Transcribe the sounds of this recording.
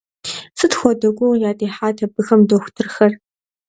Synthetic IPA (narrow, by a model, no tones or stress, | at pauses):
sɨtxʷɔdɐɡʷʼoːjaːdʼeːħaːtʰɐbɨxɐmdoxʷtʰɨrxɐr